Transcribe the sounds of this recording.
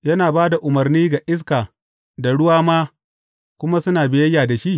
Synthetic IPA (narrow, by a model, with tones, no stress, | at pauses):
jɐ˦naː˨baː˦da˨ʔʊ˨mɐ˨rniː˦ɡa˨ʔɪ˦s̬kaː˨ | da˨ɽʊ˦waː˦maː˦ | kʷʊ˦ma˦sʊ˦naː˨bɪ˨jɐ˦jːaː˨da˨ʃi˦ʔ